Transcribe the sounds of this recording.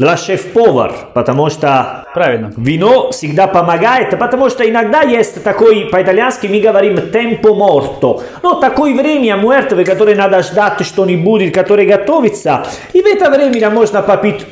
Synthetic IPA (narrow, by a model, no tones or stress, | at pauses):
laʃɛfpɔːva̰rpat̪amɔʃt̪apɾavivinɔsiɡd̪apːamaɡajt̪pat̪ːamɔʃt̪ainaɡd̪ajɛst̪t̪akojpait̪aljanskimiɡavaɾimːt̪ɛmpomɔrt̪o | nɔt̪akojvɾɛmiamːuɛɾt̪əvəkːat̪oɾenad̪aʃd̪at̪ːʃt̪onibuːd̪ikat̪oɾeɡat̪ɔvit̪sa | ivɛt̪avɾɛminamːɔʃnapːapit̪